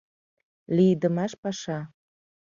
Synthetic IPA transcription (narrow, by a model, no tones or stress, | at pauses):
lid̪ə̆mɑʃpɑʃɑ